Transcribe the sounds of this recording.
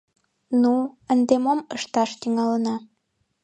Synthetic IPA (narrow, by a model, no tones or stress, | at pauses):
nuənd̪emoməʃt̪ɑʃt̪yŋɑlənɑ